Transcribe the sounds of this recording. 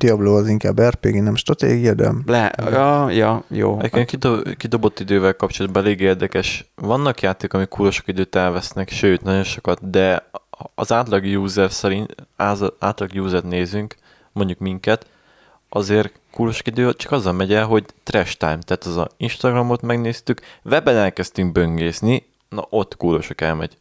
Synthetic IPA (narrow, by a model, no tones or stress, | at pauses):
d̪̥iɒbloːɒziŋkaːbɛrpeːɡinɛmʃt̪ɾrɒt̪ḛːɡijɒd̪ɛ̰lɛ̰ | jɒjo̰ːɛ̰ɟekːenkid̪kid̪o̞bo̞t̪ːid̪øːvɛlkɒp̚t͡ʃo̞lɒt̪bɒɛleːɡeːrd̪ɛkɛʃvɒnːɒkjaːt̪eːkɒmikʰːuːlo̞ʃokid̪øːt̪ɛlvɛsnɛkʃøːt̪nɒɟo̞nʃo̞kɒt̪̚d̪ɛ | ɒzaːt̪lɒɡjuːzɛrsɛɾint̪ːa̰ːt̪lˠɒɡjuːzɛrt̪neːzyŋk | mo̞ɲɟukmiŋkɛt̪ | ɒzeːr | kuːɾo̞ʃokid̪øːt͡ʃɒ̥kɒzːɒmɛɟɛlɦo̞ɟt̪rɛʃt̪a̰ːjmt̪ɛːt̪ɒzɒ̰inʃt̪ɒɡrɒmo̞t̪mɛɡneːst̪ykvɛbɛnɛlkɛst̪yŋɡ̚bø̞ŋɡeːzni | nɒ̰ʔo̞t̪ːkuːɾo̞ʃokɛlmɛɟ̥